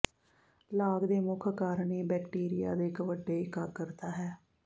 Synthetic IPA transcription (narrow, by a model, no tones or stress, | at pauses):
laːɡd̪eːmʊkʰkaːɾɳiːbɛːkʈiːɾija̰ːd̪eːkəʋəɖːeːɪkaːkəɾt̪aːɦɛː